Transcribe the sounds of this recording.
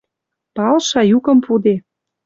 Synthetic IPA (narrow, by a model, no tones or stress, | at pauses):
pɑlʃɑjukɤ̆mpud̪e